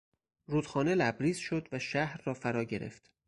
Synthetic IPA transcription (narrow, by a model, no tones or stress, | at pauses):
ɾuːd̪̥xɒːne̞læbɾiːzʃo̞d̪væʃæhɾːɒːfæɾɒːɟe̞ɾḛft̪